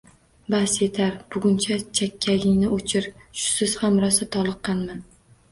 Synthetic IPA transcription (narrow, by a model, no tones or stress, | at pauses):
basje̞t̪ʰaɾb̥ʊɡʲʊnt͡ʃʰat͡ʃʰakʲʰːaɡʲɪŋnɪot͡ʃʰɪɾʃʊ̥sɪz̥hamɾɒsat̪ʰɒlˠɨqʰːɑnman